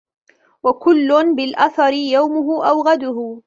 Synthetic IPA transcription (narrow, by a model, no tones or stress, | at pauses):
wakʊlːʊnbɪlʔaθɑɾɪjawmʊɦʊʔawɣad̪ʊhʊ